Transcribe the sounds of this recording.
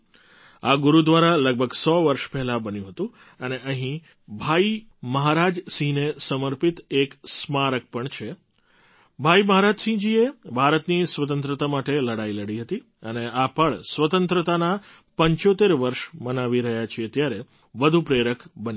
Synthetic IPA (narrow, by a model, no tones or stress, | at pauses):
aɡuɾud̪ʋaɾaləɡ̚bʱəɡsɔʋəɾʃpɛɦlabənjũɦət̪ũ | əneʔəɦĩ | bʱai | məɦaɾad͡ʒsĩnesəməɾpit̪eksmaɾək̚pəɳt͡ʃʰe | bʱaiməɦaɾad͡ʒsĩd͡ʒiebʱaɾət̪nisʋət̪ə̃nt̪ɾət̪amaʈeləɽailəɽiɦət̪i | əneapəɭsʋət̪ənt̪ɾət̪ana | pəɲt͡ʃot̪eɾʋəɾʃmənaʋiɾəɦjat͡ʃʰiet̪jaɾe | ʋəd̪ʱũpɾeɾəkbən